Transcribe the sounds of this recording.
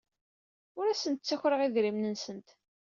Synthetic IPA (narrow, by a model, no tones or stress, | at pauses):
ʊɾæsənt̪t͡sːæçɾəʁiðɾimnənsənt̪